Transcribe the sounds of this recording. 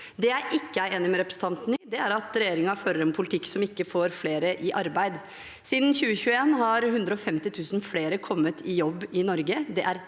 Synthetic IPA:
d̪ɛæɾʔɪkːəæɪeːnɪmɛɾɛpɾəs̩t̪ɑnt̪nɪd̪ɛæɾɑt̪ɾɛjeːɾɪŋɑføːɾəɾɛnpʰʊlɪt̪ʰɪkːsɔmɪkːəfoːɾfleːɾəʔɪʔɑɾbæɪd̪ | siːd̪n̩çʉːəçʉːəeːnɦɑɾhʉnd̪ɾəɔfɛmt̪ɪt̪ʰʉːsnfleːɾəkʰɔmːət̪ʰɪjɔbːɪnɔɾɡəd̪ɛʔæɾ

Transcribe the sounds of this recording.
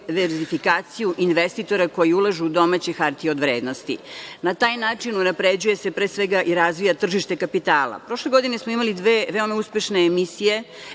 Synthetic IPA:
ʋeɾzifikaːt̪sijuʔinʋest̪it̪o̞ɾako̞jiulaʒuːd̪o̞mat͡ɕexaɾt̪io̞d̪ʋɾeːd̪nost̪ḭnat̪aːjnaːt͡ʂinunapɾed͡ʑuje̞se̞pɾesʋeɡaʔiɾazʋijat̪r̩ʒiʃt̪e̞kapit̪aːlˠa̰pɾo̞ʃleɡo̞d̪inesmoimalid̪ʋeːʋeo̞mauspe̞ʃne̞ːmisije̞

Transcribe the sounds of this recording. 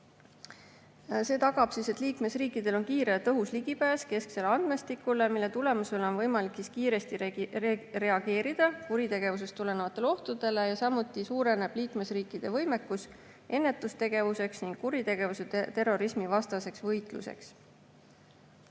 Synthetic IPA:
se̞ːt̪ɑɡ̥ɑb̥sise̞t̪ːˑliːkme̞sriːkːˑid̪e̞lo̞nkiːɾet̪ɤɦusliɡipæːske̞skse̞leɑnd̪̥me̞st̪ikːˑule̞milːe̞t̪ule̞muse̞leonvɤjmɑliksiskiːɾe̞st̪i | re̞ɑɡ̥e̞ːɾid̪̥ɑkuɾit̪e̞ɡ̥e̞vus̬e̞st̪ule̞nevɑt̪ːˑe̞lo̞ht̪ud̪̥e̞le̞jɑsɑmut̪ːˑisuːɾe̞ne̞b̥liːkme̞sriːkˑːid̪̥e̞vɤ̞jme̞kːus | e̞nːe̞t̪ːˑust̪e̞ɡ̥e̞vuse̞ksniŋɡ̥kuɾit̪e̞ɡ̥e̞vuse̞t̪e̞rːo̞ɾismivɑst̪ɑse̞ksvɤjt̪ˑlṵse̞̰ks

